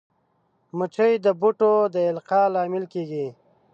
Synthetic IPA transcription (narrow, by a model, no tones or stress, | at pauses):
mət͡ʃəjd̪əbuʈod̪əɪlqɑlɑːmɪlkeɡi